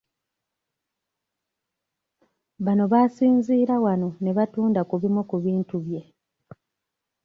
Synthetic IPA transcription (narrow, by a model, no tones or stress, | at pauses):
βano̞βaːsiːnziːɾawano̞ne̞βatuːndakuβimukuβiːntuβje̞